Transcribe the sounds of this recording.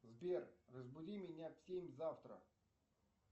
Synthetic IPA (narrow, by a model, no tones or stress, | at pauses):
zbʲervəzbʊdʲimʲɪnʲafʲsʲemʲzaft̪ɾə̰